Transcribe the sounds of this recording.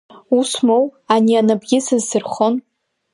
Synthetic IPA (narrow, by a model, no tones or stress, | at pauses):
usmowanianabɡʲɪsɨzsɨrχon